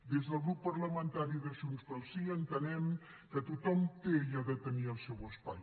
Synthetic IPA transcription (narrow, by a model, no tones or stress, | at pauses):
d̪ezðəlˠɣɾupːɐɾləmə̃nt̪aɾiðəʃunst̪əlˠsiənt̪ənɛm | kət̪ut̪ɔmt̪ejaðət̪əniəlˠsɛwəspa̰j